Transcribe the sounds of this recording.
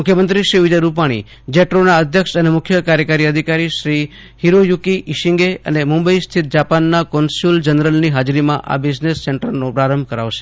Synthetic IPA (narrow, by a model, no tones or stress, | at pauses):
mʊkʰjəmənt̪ɾiʃɾiʋɪd͡ʒəɾupaɽ̃ḭ | d͡ʒeʈɾonaəd̪ʱjəkʃənemʊkʰjəkaɾjəkaɾiəd̪ʱikaɾiʃɾi | hiɾojukiʔːʃɪ̃ŋɡeə̰nemʊmbəist̪ʰit̪̚d͡ʒapanːakɔnsuld͡ʒənɾəlniɦad͡ʒɾimã̰ʔa̰bid͡ʒnesːɛɳʈəɾnõpɾaɾəmbʱkəɾaʋʃe̥